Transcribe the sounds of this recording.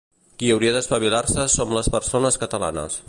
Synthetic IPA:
kiəwɾiəðəspəβ̞ilarsəsomləspəɾsonəskət̪əla̰nə̰s

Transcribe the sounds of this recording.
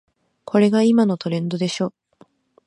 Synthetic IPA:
kʰo̞ɾe̞ɡaimano̞t̪o̞ɾẽ̞nd̪o̞d̪e̞ɕo̞ː

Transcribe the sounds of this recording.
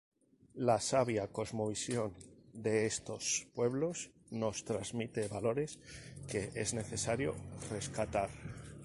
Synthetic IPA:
lasaβjako̞zmo̞βisjo̞nd̪e̞est̪o̞spwe̞β̞lo̞z | no̞st̪ɾazmit̪e̞βalo̞ɾe̞ske̞e̞zne̞θe̞saɾjo̞̰re̞skat̪aɾ

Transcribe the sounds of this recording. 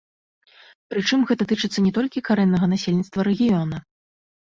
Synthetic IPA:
pɾɨt͡ʂɨmɣɛt̪ɐt̪ɨt͡ʂɨt̪sːɐnʲɛt̪ɔlʲkʲikaɾɛnːɐɣɐnasʲelʲnʲit̪st̪vɐɾɛɣʲijɔnɐ

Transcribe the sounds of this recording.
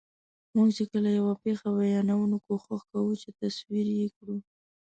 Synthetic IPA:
muɡt͡ʃekəlajawapexawajɑnawunukoxaxkawut͡ʃet̪aswiɾjekɽu

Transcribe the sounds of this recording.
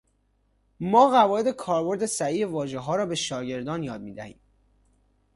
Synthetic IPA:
mɒːɣævɒːed̪e̞kʰɒːɾbo̞ɾd̪e̞sæiːevɒːʒeɦɒːɾɒːbe̞ʃɒːɟe̞ɾd̪ɒːnjɒːd̪̚miːd̪æhḭːm

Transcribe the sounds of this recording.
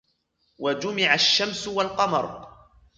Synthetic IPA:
wad͡ʒʊmɪʕaʃːamsʊwalqɑmɑɾˤ

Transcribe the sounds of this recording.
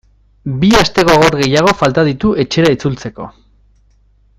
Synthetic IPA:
biast̪e̞ɣo̞ɣ̞o̞ɾɣe̞jaɣ̞o̞falt̪aðit̪uʔe̞t͡ʃe̞ɾait͡sult͡se̞ko̞̰

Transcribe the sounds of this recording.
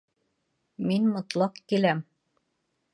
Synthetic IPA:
minmŏt̪lˠɑqkilæm

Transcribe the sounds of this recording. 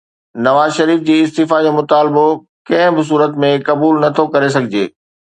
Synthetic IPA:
nɐʋaːzʃɐɾiːfd͡ʑiːɪst̪iːfad͡ʑoːmʊt̪aːlbo | kɐ̃ɦɪ̃bɪs̬uːɾət̪mẽkɐbuːlnɐt̪ʰokɐɾes̬ɐɡʱɪd͡ʑeː

